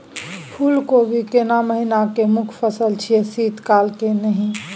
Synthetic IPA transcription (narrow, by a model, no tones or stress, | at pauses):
pʰuːlkobʱikenaməɦinakemʊkʰpʰəsəlt͡ʃʰiesiːt̪kaːlkenəɦĩ